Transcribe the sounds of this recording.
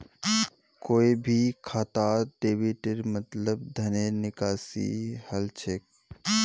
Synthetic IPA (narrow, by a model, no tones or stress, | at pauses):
koːibʱikʰaːt̪aːɖeːʋiʈɪɾmət̪ləb̚d̪ʱɐnenɪkaːsḭhɐlt͡ʃʰek̚